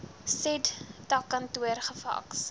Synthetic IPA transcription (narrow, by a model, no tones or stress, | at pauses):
sɛddɐkɐntuərχəfɐ̰ks